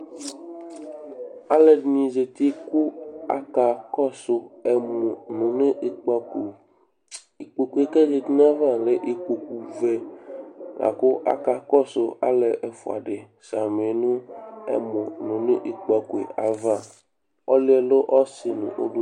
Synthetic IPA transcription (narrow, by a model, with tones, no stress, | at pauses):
a˦le˨dnĩ˨ze˨t̪i˦ku˦a̰˦ka˨kɔ˦so˨ɛ˨mõ˨nũ˨nẽ˦ʔe˨k͡pa˨ku˨ | i˨k͡po˨ku˨˦e˨ke˦ze˨t̪i˦nã˦va˦˨le˨˦ʔi˨k͡po˨ku˨ve˦ | la̰˨ko˦ʔa̰˦ka˨kɔ˦so˨a̰˦le˨ʔe˨fo̰˨a̰˨ɖe˨ | sa˨me˨nũ˦ɛ̰˦mɔ̃˨nũ˨ne˦ʔi˨k͡pa˨ku˨ḛ˨a˨va˦˨ | ɔ˦le˦ɛ˨lo˦ʔɔ˦si˨nṵ̃˨ʔo̰˦ɖu˦